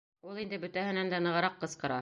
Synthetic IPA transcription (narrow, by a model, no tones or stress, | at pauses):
ulˠind̪ɘbɵ̆t̪æhɘ̆nænd̪ænɤ̆ʁɑ̆ɾɑqːɤ̆sqɤ̆ɾɑ